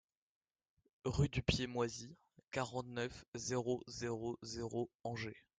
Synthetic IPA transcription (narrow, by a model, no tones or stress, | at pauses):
ʁyd̪ypjemwazi | kaʁɑ̃t̪nœfzeʁozeʁozeʁoɑ̃ʒe